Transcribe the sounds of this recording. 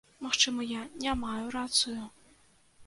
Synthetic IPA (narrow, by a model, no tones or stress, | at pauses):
maxt͡ʂɨmɐjanʲamajurat̪sɨju